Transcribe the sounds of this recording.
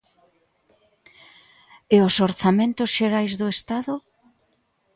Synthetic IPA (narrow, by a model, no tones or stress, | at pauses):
eosoɾθamẽnt̪ʊsʃeɾajzðʊest̪aðʊ